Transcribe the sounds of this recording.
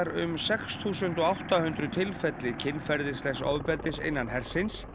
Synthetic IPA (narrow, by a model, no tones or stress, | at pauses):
ɾʏ̰msɛksθuːsʏnt̪ɔawht̪ahʏnt̪ɾʏt̪ʰɪlfɛt̪lɪcʰɪnːfɛɾðɪ̥slɛxso̰ːvpɛɾt̪ɪsɪ̰jnːanɦɛɾ̥sɪns